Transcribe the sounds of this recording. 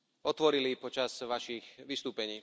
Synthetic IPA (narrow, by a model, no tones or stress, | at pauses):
ɔt̪ʋɔɾilipɔt͡ʃaz̥ʋaʃixʋist̪uːpɛɲiː